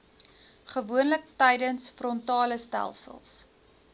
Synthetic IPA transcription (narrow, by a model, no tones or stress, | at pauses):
χəvuənlək̚təjdənsfrɔntɑːləstæ̰lˠsə̰lˠs